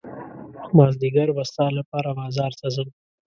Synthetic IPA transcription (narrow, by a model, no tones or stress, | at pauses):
mɑzd̪iɡaɾbast̪ɑlapɑɾabɑzɑːɾt̪azəm